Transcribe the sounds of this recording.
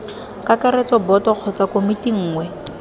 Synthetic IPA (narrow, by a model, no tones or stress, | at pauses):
kakaɾet͡sɔbɔtɔq͡χʰɔt͡sakomitiŋ̩ːŋwɛ